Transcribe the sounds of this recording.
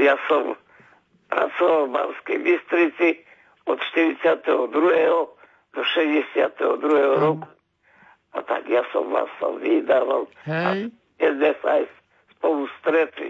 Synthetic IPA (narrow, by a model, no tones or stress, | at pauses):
jasam | pɾa̰t̪sovalˠba̰lskibist̪ɾit̪si | ot̪t͡ʃt̪iɾisjat̪ɛod̪ɾuɛo | d̪oʃɛjɛsja̰t̪ɛod̪ɾuɛoɾoku̥ | a̰t̪a̰kjasa̰mva̰sa̰mvid̪avalˠa | ɛzd̪ɛsajs | spolˠust̪ɾɛt̪ḭ